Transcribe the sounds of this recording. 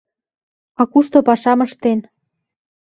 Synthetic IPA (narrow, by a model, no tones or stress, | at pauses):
ɑkuʃt̪opɑʃɑməʃt̪en